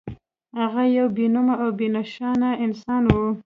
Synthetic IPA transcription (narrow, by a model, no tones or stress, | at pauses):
haɣajawbenʊmaawbenaʃɑnaɪnsɑnwu